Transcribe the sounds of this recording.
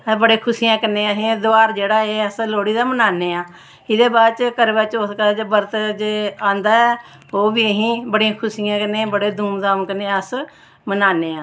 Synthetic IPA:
bəɽeːkʰʊsijãːkənːẽːaːɦẽd̪ʊaːɾd͡ʒeːɽaːeːəsloːɽiːd̪aːmənaːneːãː | ɪd̪eːbaːdt͡ʃkəɾʋət͡ʃʊskəd͡ʒbəɾt̪d͡ʒeːãːnd̪aːɛː | oːbiːəɦĩːbəɽiãːkʰʊsijãːkənːeːbəɽeːd̪ʱuːmd̪aːmkəneːəs | mənaːneːãː

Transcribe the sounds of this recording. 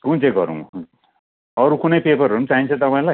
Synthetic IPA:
kunt͡sẽɡʌ̰ɾṵ̃ | ʌɾukunʌjpepʌrʌnũt͡saɦint͡sʰʌt̪ʌpaĩla

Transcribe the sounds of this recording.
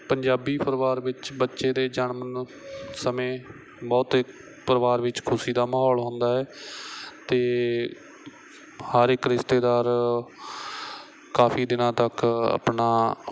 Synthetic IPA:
pəɲd͡ʒaːbiːpʰəɾʋaːɾʋɪt͡ʃbətːʃeːd̪eːd͡ʒənmənsəmẽː | bɔːt̪ɪk | pəɾəʋaːɾʋɪt͡ʃkʰʊsiːd̪aːmaːɦɔːlɦõːnd̪aːɛː | t̪eː | həɾɪkɾɪst̪eːd̪aːɾ | kaːpʰiːd̪ɪnãːt̪əkə̰pɳaː

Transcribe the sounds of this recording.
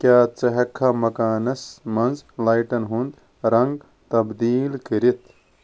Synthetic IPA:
kʲjaːt͡sɐɦɐkʰːamɐkaːnɐsmɐnzlaːjʈɐnɦund̪ | ɾɐŋɡ | t̪ɐbd̪iːlkiɾit̪ʰ

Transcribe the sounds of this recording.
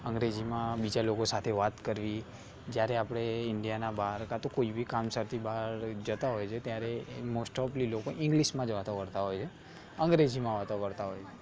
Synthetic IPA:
ə̃ŋɡɾed͡ʒimãbid͡ʒalokosat̪ʰeʋat̪kəɾʋi | d͡ʒjaɾeapɽ̃eɪɳɖijanabaɾkat̪okoibʱikamsəɾt̪ʰibaɾd͡ʒət̪aɦojt͡ʃʰet̪jaɾemosʈɔplilokoʔɪ̃ŋɡliʃmãd͡ʒʋat̪õkəɾt̪aɦojt͡ʃʰe | əŋɡɾed͡ʒimãʋat̪okəɾt̪aɦojt͡ʃʰe

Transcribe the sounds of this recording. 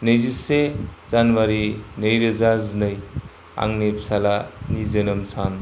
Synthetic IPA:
nɯjzisezanwaɾinəjɾɯzaznɯj | a̰ŋnepʰsalanizənɯmsan

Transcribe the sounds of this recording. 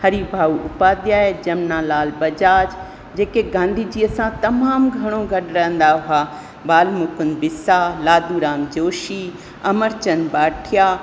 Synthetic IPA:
hɐɾibʱaːuʊpaːd̪jaːed͡ʑɐmnaːlaːlbɐd͡ʑaːd͡ʑ | d͡ʑeːkeɡãːnd̪ʱiːd͡ʑiːəsãt̪ɐmaːmɡʱɐɽ̃oɡɐɖɾɐɦə̃nd̪aɦʊa | baːlmʊkʊn̆bɪsalaːd̪uɾaːmd͡ʑoːʃi | ɐməɾt͡ɕənbaːʈʰijaː

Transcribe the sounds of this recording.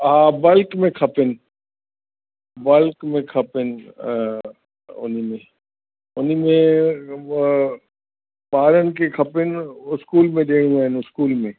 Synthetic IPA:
ɦãːbɐlkmẽkʰɐpɪnɪ̆ | bɐlkmẽkʰɐpɪn | ʊ̰nimẽ | ʊnimẽ | ɓaːɾənɪ̆kʰekʰɐpɪnʊskuːlmẽɗeːɽ̃jũaːɦɪnʊskuːlmẽː

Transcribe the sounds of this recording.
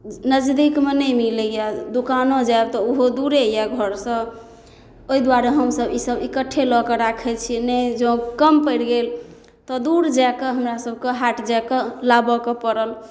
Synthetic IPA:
nəd͡ʒd̪ikmenəmilejad̪ukanõd͡ʒaeb̚t̪ɔoɦod̪uɾejaɡʱəɾsə̃ | oid̪waɾeɦəmsəbisəbikəʈʰːelɔkeɾakʰɛt͡ʃʰinɛd͡ʒõkəmpəɽɡel | t̪ɔd̪uɾd͡ʒajkeɦəmɾasəb̚ʱkeɦaʈd͡ʒakelabɔkepəɾəl

